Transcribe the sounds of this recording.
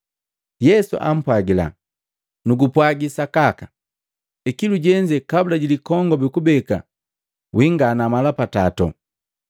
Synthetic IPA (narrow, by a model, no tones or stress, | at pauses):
jɛsṵʔa̰m̩pwaɡila̰ | nuɡupwaɡisakaka | ikiluɟɛɲd͡ʒɛkabulaɟilikɔŋɡɔbukubɛka̰ | wiŋɡanamalapatatɔ̰